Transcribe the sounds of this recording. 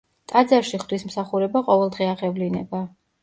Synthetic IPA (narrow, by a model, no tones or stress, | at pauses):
t̪ʼad̪zaɾʃiχd̪wismsaχuɾɛbaqʼɔvɛlˠd̪ʁɛaʁɛvlinɛba